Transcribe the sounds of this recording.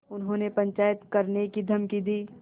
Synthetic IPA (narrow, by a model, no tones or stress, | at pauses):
ʊnɦõːnepɐ̃ɲt͡ʃaːjət̪kɐɾnekid̪ʱɐmkid̪iː